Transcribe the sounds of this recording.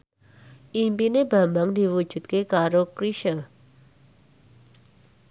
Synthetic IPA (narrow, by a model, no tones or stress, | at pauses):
ʔimpinebambaŋd̪i̤wu̥ʒ̥ṳt̪̚kekaɾokɾiʃə